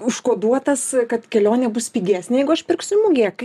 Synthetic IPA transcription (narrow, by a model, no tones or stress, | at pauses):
ʊʃkoːd̪uɔt̪ɐskɐt̪kʲɛlʲoːnʲeːbʊsʲpʲiːɡʲæːsʲnʲeːjɛɪɡʊɐʃpʲɪrksʲʊɪmʊɡʲeːk